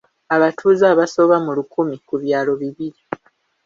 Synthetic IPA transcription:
aβatʰuːzaβaso̞βamulukumikuβjaːlo̞βiβiɾi

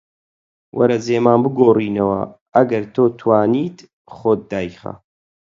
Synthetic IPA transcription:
wʔɐ̰ɾɐzeːmaːnbɨɡoːriːnɐwɐ̰ | ɐɡɐɾt̪ʰoːt̪ʰwaːniːt̪ | χoːt̪̚ːaːjxɐ̰

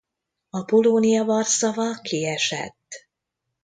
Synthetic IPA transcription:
ɒpoloːnijɒvɒrsɒvɒkʰiɛʃɛ̰t̪ː

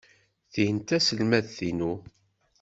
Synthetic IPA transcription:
θihənt̪æsəlmæðθinu

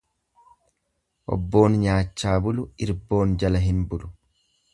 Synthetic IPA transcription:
ʔɔ̰bːo̞ːnɲaːt͡ʃːaːbʊlʊɪɾbo̞ːnd͡ʒɐlɐɦɪnbʊlʊ

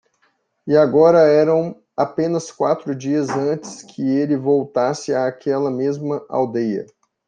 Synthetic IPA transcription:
ɪaɡɔɾɐɛɾɐ̃w̃ | apẽnɐskwat̪ɾʊd͡ʒiɐzɐ̃t͡ʃɪ̥skʰɪelɪvowt̪asɪaːkʰɛlɐmezmɐʔa̰wd̪ejɐ̰

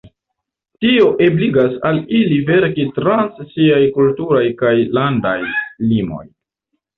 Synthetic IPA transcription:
tio̞ʔebliɡasalilive̞ɾkitɾanssiajkultuɾajkajlanda̰jlimo̞̰j

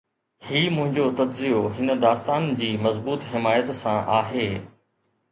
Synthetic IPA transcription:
hiːmʊ̃ɦɪ̃ɲd͡ʑot̪ɐdzijoɦɪnə̆d̪aːst̪aːnd͡ʑiːmɐzbuːt̪ɦɪmaːjət̪sãʔaːɦeː

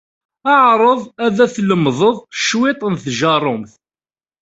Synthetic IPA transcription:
ɑʕɾˤəðˤæðæθləmːðˤəðˤʃwɪt̪ˤənθʒɑɾˤʊmθ

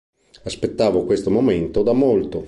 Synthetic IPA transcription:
aspet̪ːaːvokwest̪omoment̪od̪amolt̪o

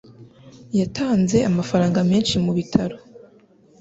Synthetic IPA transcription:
jatʰaːnze̞amafaɾaːŋɡameːnʃimuβitʰaɾo

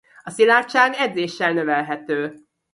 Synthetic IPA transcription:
ɒsilaːt͡ʃːaːnɛd̪zeːʃːɛlnø̞vɛlɦɛt̪øː

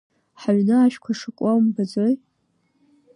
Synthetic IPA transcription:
ħaɥnɨaʃᶣkʷʰaʂakʷʼawmbad͡zoj

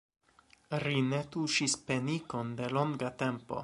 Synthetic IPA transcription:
ɾine̞tuʃispe̞niko̞nde̞lo̞ŋɡate̞mpo̞̰

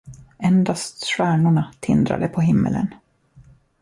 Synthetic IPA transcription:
ɛnd̪ast̪ɧæːɳʊɳat̪ʰɪ̰nd̪ɾa̰d̪əpʰɔɦɪmːə̰lə̰n

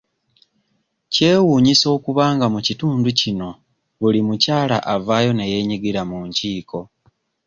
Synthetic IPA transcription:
ce̞ːwuːɲiso̞ːkuβaːŋɡamucituːnducino̞ | βulimucaːla̰ʔavaːjo̞ne̞je̞ːɲiɡiɾamuːɲciːko̞

